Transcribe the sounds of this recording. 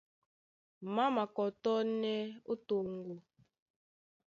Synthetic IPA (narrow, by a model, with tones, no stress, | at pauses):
ma˦ma˨kɔ˨tɔ˦nɛ˦o˦to˨ŋ˦ɡu˨